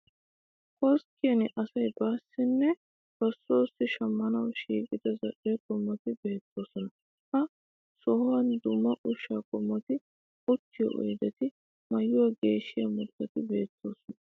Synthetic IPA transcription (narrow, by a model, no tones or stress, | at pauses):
kɔɾskːɪjɐnɪʔɐsɐjbaːsːɪnːɛ | b̥ɐsːo̞ːsːɪʃɐmːɐnɐwʃiːkʼɪd̪ɐzɐʔɛɐkɔmːɔt̪ɪbe̞ːt̪ːo̞ːsɔnɐ | hɐ | sɔhwɐnd̪ʊmːɐʔʊʃaːkɔmːɔt̪ɪ | ʊt͡ʃːɪjɔ̰ʔɔ̰jd̪ɛt̪ɪ | mɐjːʊɐɡe̞ːʃːɪjɐmʊt̪ːɐt̪ɪbe̞ːt̪ːo̞ːsɔnɐ